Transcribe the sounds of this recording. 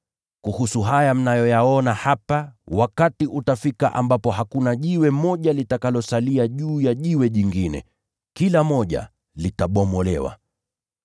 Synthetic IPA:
kuhusuɦajam̩najɔjaɔnahapawakatiʔutafikaʔambapɔɦakunaʄiwɛmɔʄalitakalɔsaliaʄuːjaʄiwɛʄiŋɡinɛ̰ | kilamɔʄa̰ | litaɓɔmɔlɛ̰wa̰

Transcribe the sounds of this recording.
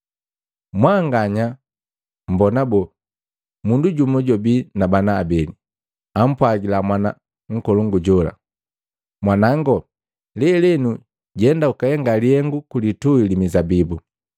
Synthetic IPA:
mwaŋɡaɲa | m̩bɔnabɔ | munduɟumɔɟɔbinabanaːbɛli | am̩pwaɡilamwana | ŋ̩kɔluŋɡuɟɔla̰ | mwanaŋɡɔ | lɛlɛnu | ɟɛndaukahɛŋɡaliɛŋɡukulituilimizabibu

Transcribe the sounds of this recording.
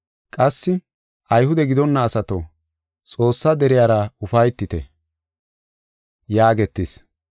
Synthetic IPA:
kʼɐsːɪ | ʔɐjhʊd̪ɛɡɪd̪ɔnːɐːsɐt̪o | t͡sʼo̞ːsːɐd̪ɛɾɪjaːɾɐʊfɐjt̪ːɪt̪ɛ̰ | jaːɡɛt̪ːɪs

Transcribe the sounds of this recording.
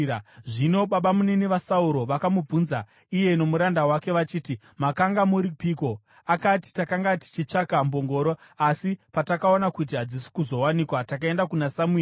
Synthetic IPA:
ʐino̞ɓaɓamuneniʋasauɾo̞ʋakamub͡vunza | ije̞no̞muɾandawake̞ʋat͡ʃiːti | makaŋɡamuɾipiːko̞ | akati̥takaŋɡati̥t͡ʃit͡ʂakambo̞ŋɡo̞ːɾo | asipatakao̞nakut̬iɦad͡zisi̥kuzo̞wanikwatak̬ae̞ndakunasamue

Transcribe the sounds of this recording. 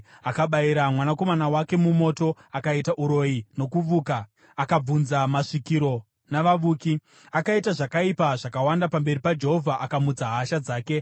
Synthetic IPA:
akaɓaiɾamwanako̞manawake̞mumo̞to̞akaitaʔuɾo̞ino̞kuʋuːkaː | kab͡vunzamaʂikiɾo̞ | naʋaʋuːki | akaitaʐakaipaʐakawandapambe̞ɾipad͡ʒe̞ɦo̞vʱaʔakamut͡saɦaʃad͡zaːke̞

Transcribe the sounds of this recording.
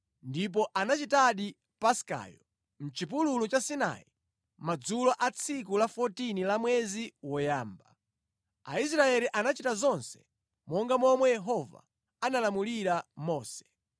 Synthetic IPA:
ndip̬ɔʔanat͡ʃitaɗi | paska̰ːjɔ | m̩t͡ʃip̬ululut͡ʃasina̰i | mad͡zulɔʔat͡sʰikulafɔtinilamwɛziwɔjaːmba | a̰is̬ɾaɛliʔanat͡ʃitazɔnsɛ̥ | mɔŋɡamɔmwɛjɛɦɔva̰ | analamuliɾamɔːsɛ̥

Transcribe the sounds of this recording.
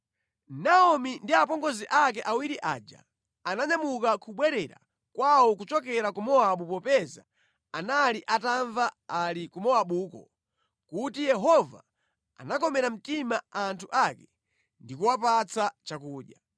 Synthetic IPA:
naɔmindiap̬ɔŋɡɔziʔak̬ɛʔawiɾiʔa̰ːd͡ʒa̰ | anaɲamukakʰuɓwɛɾɛɾa̰ | kwawɔk̬ut͡ʃɔk̬ɛɾakumɔaɓupɔpɛza̰ | analiʔataɱvaalikumɔaɓukɔ̰ | kutijɛɦɔva̰ | a̰nakɔmɛɾam̩timaantʰuʔakɛ | ndikuwapat͡sat͡ʃakuːɗja

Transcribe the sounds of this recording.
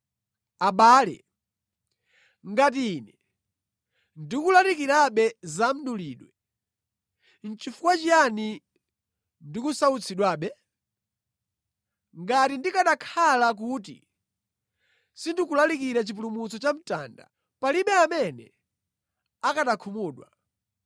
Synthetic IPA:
aɓaːlɛ̰ | ŋɡat̬iːnɛ | ndikulalikiɾaɓɛzam̩ɗuliːɗwɛ | n̩t͡ʃifukwat͡ʃiani | ndikusaut͡sʰiɗwaɓɛ | ŋɡatindikaɗakʰalak̬uːt̬ḭ | sindikulalikiɾɛt͡ʃip̬ulumusɔt͡ʃam̩ta̰nda̰ | paliɓɛamɛnɛ̰ | akatakʰumuːɗwa̰

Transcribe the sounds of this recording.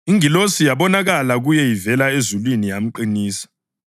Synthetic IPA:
iŋilosijaβɔnaɣalaɣujɛjivɛlaezulwinijam̩ǃiniːsḁ

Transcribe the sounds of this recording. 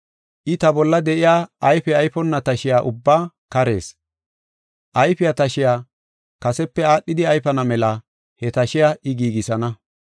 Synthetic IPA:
ʔɪt̪ɐbɔlːɐd̪ɛʔɪjaːɐjfɛɐjfɔnːɐt̪ɐʃɪjaːʔʊ̰bːaː | kɐɾe̞̰ːs | ʔɐjfɪjat̪ɐʃɪjaː | kɐsɛpːɛaːɗːɪd̪ɪɐjfɐnɐmɛlɐ | hɛt̪ɐʃɪjaʔɪɡiːɡɪsɐnɐ

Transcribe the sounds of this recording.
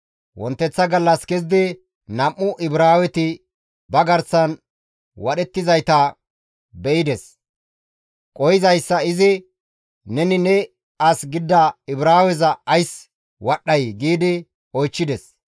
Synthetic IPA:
wɔ̰nt̪ːɛt͡sːɐɡɐlːɐskɛzɪd̪ɪ | nɐmːʊʔɪbɾaːwɛt̪ɪ | bɐɡɐɾsɐn | wɐɗɛt̪ːɪzɐjt̪ɐ | bɛʔɪd̪ɛs | kʼɔjɪzɐjsːɐɪzɪ | nɛnɪnɛ | ɐsɡɪd̪ːɐɪbɾaːwɛzɐɐjs | wɐɗːɐjɡiːd̪ɪ | ɔjt͡ʃːɪd̪ɛs

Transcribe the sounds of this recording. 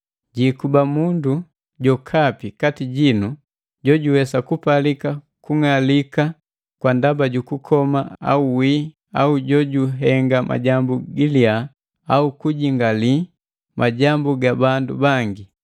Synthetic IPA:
ɟikubamundu | ɟɔkʰapikatiɟinu | ɟɔɟuwɛsakupalika | kuŋalika | kwandabaɟukukʰɔmaa̰uwi | auɟɔɟuɦɛŋɡamʔa̰ɟambuɡilia | aukuɟiŋɡali | mʔaɟambuɡabandubaŋɡi

